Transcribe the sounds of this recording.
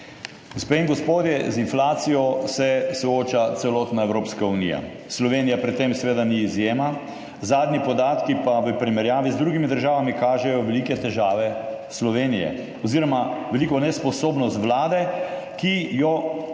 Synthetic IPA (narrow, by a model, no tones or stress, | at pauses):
ɡ̥ospeːinŋɡɔspoːd̪jɛzinflaːt̪sijɔsɛsɔoːt͡ʃat̪sɛlɔt̪naewɾoːpskaunḭja̰ | slɔʋeːnijapɾɛt̪ːemsɛʋeːd̪aniːzjeːma | zaːd̪nipɔd̪aːt̪kipaʋəpɾimɛɾjaːʋizd̪ɾuɡimid̪əɾʒaːʋamikaːʒɛjɔʋɛlikɛt̪ɛʒaːʋɛslɔʋeːnijɛ̰ | ɔziɾɔmaʋɛlikɔnɛspɔsoːbnɔst̪ʋlaːd̪ɛ | kijɔ